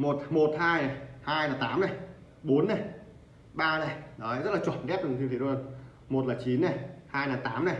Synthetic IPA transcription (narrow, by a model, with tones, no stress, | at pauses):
mo˨˩t̚mo˨˩t̚haː˧jna˨˩jhaː˧jnaː˨˩t̪aː˨˦mna˨˩j | ɓo˨˦nːa˨˩j | ɓaː˧na˨˩jɗɔ˨˦zə˦˥t̚laː˨˩t͡ɕwə̰˨˩nɗɛ˦˥p̚ɗɨ˨˩ŋt̪i˧t̪ʰi˧˨u˧n | mo˨˩t̚laː˨˩t͡ɕi˨˦nna˨˩jhaː˧jnaː˨˩t̪aː˨˦mna˨˩j